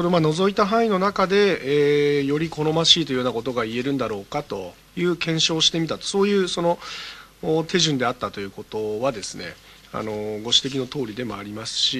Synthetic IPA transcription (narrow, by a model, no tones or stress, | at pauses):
so̞ɾe̞mano̞zo̞it̪aɦãino̞nakad̪e̞ː | jo̞ɾʲiko̞ɾo̞maɕiːt̪o̞ijonako̞t̪̬o̞ɡaie̞ɾɯ̟̃nd̪aɾo̞ːkat̪o̞ | jɯ̟ːkẽ̞ɰ̃ɕo̞ːɕi̥t̪e̞mʲit̪at̪o̥so̞ːjɯ̟ːso̞no̞ː | t̪ʰe̞ʑɨ̃nd̪e̞at̪ːat̪o̞jɯ̟ːko̞t̪o̞βad̪e̞sɨne̞̰ | a̰no̞ɡo̞ɕi̥t̪e̞k̬ʲino̞t̪o̞ːɾʲid̪e̞mo̞aɾʲimasɨ̥ɕi